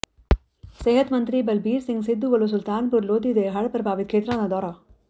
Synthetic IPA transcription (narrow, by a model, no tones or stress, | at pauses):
seːɦɐt̪mɐnt̪ɾibɐlbʱiːɾsiŋɡsid̪ːuʋɐlus̬ult̪aːnpuɾloːd̪id̪eɦɐɭpɐɾbʱaːʋit̪̚kʰeːt̪ɾaːnɐd̪ɔːɾa